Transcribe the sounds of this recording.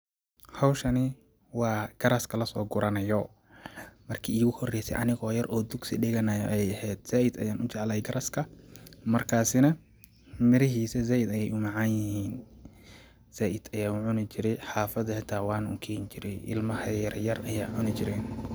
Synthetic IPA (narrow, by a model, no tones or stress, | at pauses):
hɐwʃɐnɪ | wɑːɡ̥ɐɾɐskʰɐlɐsɔːɡʊɾɐnɐjɔ | mɐrkʰiːiːɣʊhɔrɛjsɛ̰ʔɐnɪɣɔːjɐrʔɔːd̪ʊɡsɪ̰ɗɪɣɐnɐjʔɐjɛjɐhɛːd̪̥saːʔɪd̪ɐjaːnʊt͡ʃɛʕlɐjɡɐɾʔɐskʰɐmɐrkʰaːsɪnɐ | mɪɾɐɦiːsɛzaːʔɪd̪ɐjɛjʔʊmɑʕɑːnjɪhiːn | z̥aːʔɪd̪̥ɐjaːʊʕʊnɪt͡ʃɪɾɛjħaːfɐðɐħat̪ʰaːwɑːnʊ̰kʰɛːnt͡ʃɪɾɛjʔɪ̰lmɐhɐjɐɾjɐrɐja̰ːʕʊnɪt͡ʃɪɾɛːn